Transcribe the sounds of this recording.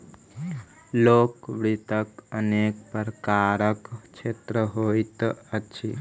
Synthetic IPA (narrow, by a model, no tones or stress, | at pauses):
loːkʋɽit̪əkəneːkpəɾkaːɾəkt͡ʃʰet̪ɾəɦoːit̪əʃʰi